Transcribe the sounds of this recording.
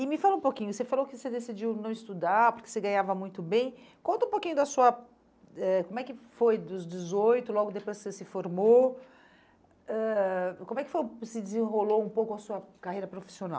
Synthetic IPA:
ɪmɪfalõũpokĩɲʊsefalowkɪsed̪esid͡ʒiwnɐ̃w̃ɪst̪ud̪aɾpʊɾke̥seɡɐ̃ɲavɐmũj̃t̪ʊbẽj̃ | kõnt̪ɐ̃ũpokĩɲʊd̪ɐsuɐ | ɛkõmʊɛkɪfojd̪ʊzd͡ʒɪzojt̪ʊlɔɡʊd̪epojssesɪfoɾmo | ɛkõmʊɛkɪfojsɪd͡ʒɪzẽɦoloũpowkʊɐsuɐkahejɾɐpɾofi̥siona̰w

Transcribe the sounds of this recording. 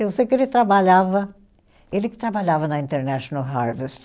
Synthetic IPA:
ewsejkɪelɪt̪ɾabaʎavɐ | elɪkɪ̥t̪ɾabaʎavɐnɐĩnt̪eɾnɛʃonɐwɦaɾvest̪

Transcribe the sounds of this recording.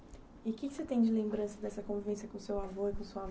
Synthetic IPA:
ɪkɪkɪ̥set̪ẽj̃d͡ʒɪlẽmbɾɐ̃sɐd̪ɛsɐkõvivẽsjɐkõsewavoɾikõsuav

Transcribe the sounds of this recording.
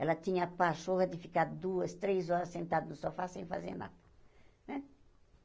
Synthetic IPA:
ɛlɐt̪ĩɲɐapasoɣɐd̪ɪfikad̪uɐst̪ɾezɔɾɐssẽnt̪ad̪unũsɔfasẽj̃fa̰zḛɾna̰d̪ɐ | ɛ̃

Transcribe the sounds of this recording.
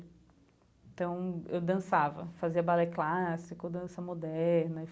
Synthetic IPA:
ẽt̪ɐ̃w̃ewd̪ɐ̃savɐ̰faziɐbalɛklasikod̪ɐ̃sɐmod̪ɛɛɾnɐ

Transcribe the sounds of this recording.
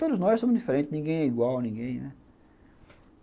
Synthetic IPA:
t̪od̪ʊznɔjʃsõmʊzd̪ifeɾẽnt̪ɪnĩɡẽj̃ɛiɡwawnĩŋɡẽj̃nɛ

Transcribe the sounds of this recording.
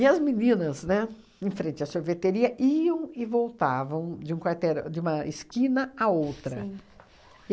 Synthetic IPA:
ɪɐzminĩnɐznɛ | ẽfɾẽnt͡ʃɪɐsoɾvet̪eɾiɐʔiɐ̃w̃ɪvowt̪avɐ̃w̃d͡ʒɪũkwaɾt̪ɛɾʊ̰d͡ʒɪũmɐɪskĩnɐaowt̪ɾɐ̃

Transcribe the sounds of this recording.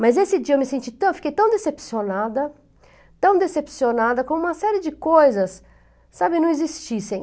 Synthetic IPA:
mɐzesɪd͡ʒiɐewmɪsẽnt͡ʃit̪ɐ̃w̃fi̥kejt̪ɐ̃w̃d̪esepsionad̪ɐ | t̪ɐ̃w̃d̪esepsionad̪ɐkõũmɐsɛɾiɪd͡ʒɪkojzɐsː | abɪnɐ̃w̃izist͡ʃisẽj̃

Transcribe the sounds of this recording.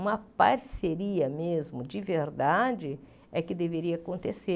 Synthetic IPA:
ũmɐpaɾseɾiɐmezmʊd͡ʒɪveɾd̪ad͡ʒɪ | ɛkɪd̪eveɾiɐakõnt̪ese

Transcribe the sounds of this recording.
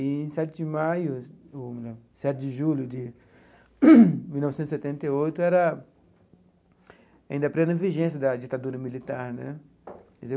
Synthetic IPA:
iẽsɛt͡ʃ̪ɪd͡ʒɪmajʊml | sɛt̪ɪd͡ʒɪʒuljʊd͡ʒ̪ɪ | milnɔvɪsẽt̪set̪ẽnt̪eojt̪ʊɛɾɐ | aĩnd̪ɐpɾẽnɐviʒẽsjɐd̪ɐd͡ʒit̪ad̪uɾɐmilit̪aɾnɛ̰̃ | kɛze

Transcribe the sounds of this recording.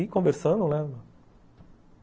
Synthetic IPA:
ikõveɾsɐ̃d̪ũlɛ̃ɐ̃

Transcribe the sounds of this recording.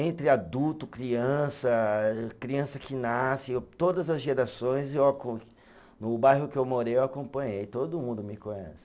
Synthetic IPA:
ẽnt̪ɾɪad̪uwt̪ʊkɾiɐ̃sɐkɾiɐ̃sɐkɪnasɪt̪od̪ɐzɐzʒeɾasõj̃zewakõ | nʊbajɦʊkɪewmoɾejewakõpɐ̃ɲejt̪od̪ʊmũnd̪ʊmɪkõɲɛ̰sɪ̥

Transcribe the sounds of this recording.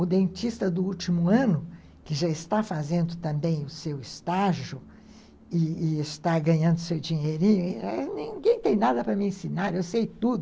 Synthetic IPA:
ʊd̪ẽnt͡ʃist̪ɐd̪ʊut͡ʃimʊɐ̃nʊ | kɪʒaɪst̪afazẽnd̪ʊt̪ɐ̃mbẽj̃ʊsewɪst̪aʒʊ | ɪːɪst̪aɡɐ̃ɲɐ̃nd̪ʊsewd͡ʒĩɲeɾĩɲʊɛnĩɡẽj̃t̪ẽj̃nad̪ɐpɾɐmɪẽsinaɾewsejt̪ud̪ʊ

